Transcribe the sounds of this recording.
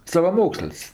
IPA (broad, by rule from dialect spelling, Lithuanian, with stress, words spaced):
sɐʋɐˈmoːksəlʲsʲ